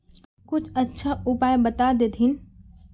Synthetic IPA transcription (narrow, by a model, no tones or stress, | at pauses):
kʊt͡ʃʰətːʃʰaupajbət̪ad̪ed̪ʱin